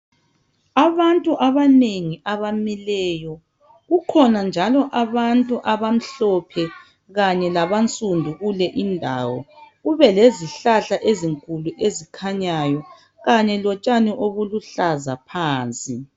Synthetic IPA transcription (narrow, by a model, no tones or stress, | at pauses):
aβantʼuʔaβaneŋiʔaβamilɛːjɔ | ɣukʰɔnand͡ʒʱalɔʔaβantʼuʔaβam̩ɬɔpʰɛ | ɣaɲɛlaβant͡sʼundʱuɣulɛʔindʱa̰ːwɔɣuβɛleziɬaɬaʔeziŋkʼuluʔezikʰaɲajɔ | ɣaɲɛlɔt͡ʃʼaniʔoβuluɬazapʰaːnt͡sʼi